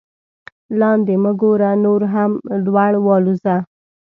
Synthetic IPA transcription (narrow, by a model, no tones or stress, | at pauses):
lɑnd̪eməɡoɾanoɾɦamɖwaɽwɑluza